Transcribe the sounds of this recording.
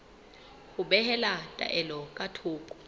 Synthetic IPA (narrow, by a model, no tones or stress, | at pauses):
huɓɛhɛlatʼa̰ʔɛlɔkʼatʰuːkʼu̥